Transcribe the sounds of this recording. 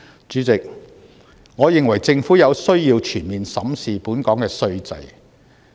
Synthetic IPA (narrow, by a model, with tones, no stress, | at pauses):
t͡ʃyː˨˥t͡sɪ˨k̚ | ŋɔː˨˧jɪ˨ŋwɐ˨˩jt͡sɪ˧ŋfuː˨˥jɐ˨˧wsɵ˥ɥjiː˧wt͡ʃʰyː˨˩nmiː˨nsɐ˨˥msiː˨puː˨˥nkɔː˨˥ŋkɛː˧sɵ˧ɥt͡sɐ̰˧j